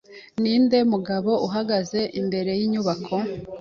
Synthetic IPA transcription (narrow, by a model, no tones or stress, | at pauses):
niːnde̞muɡaβo̞ʔuɦaɡaze̞ʔimbe̞ɾe̞jiɲuβakʰo̞